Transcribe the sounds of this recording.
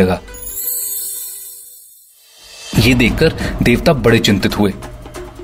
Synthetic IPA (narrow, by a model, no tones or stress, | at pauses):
əɡaː | jeːd̪eːkʰːəɾd̪eːʋt̪aːbəɽet͡ʃɪ̃nt̪ɪt̪ɦʊeː